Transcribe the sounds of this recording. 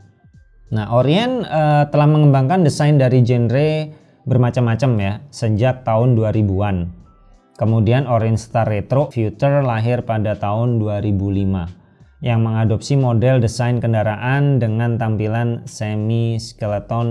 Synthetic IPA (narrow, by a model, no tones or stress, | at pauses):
nahʔoɾiɛnət̪əlahməŋəmbaŋkandəsajndaɾid͡ʒɛnɾe | bərmat͡ʃamːat͡ʃamjasəd͡ʒak̚t̪aʊnduaɾibuan | kəmudianoɾiɛnst̪aɾet̪ɾoʔfiut̪ərlaɦɪrpadat̪aʊnduaɾibulima | jaŋməŋadop̚simodɛldəsajnkəndaɾaʔandəŋant̪ampilansemiskələt̪ɔn